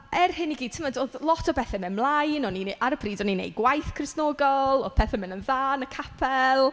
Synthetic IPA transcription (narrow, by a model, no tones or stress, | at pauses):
ɛrhɪniɡiːd̚tʰɪmadoːðlˠɔtʰɔbɛθɛmɪnmlˠajnɔniʔaɾəbʰriːdɔninḛjɡwajθkʰrɪsnɔːɡɔlˠɔpʰɛθɛmɪnənðaːnəkʰapʰɛlˠ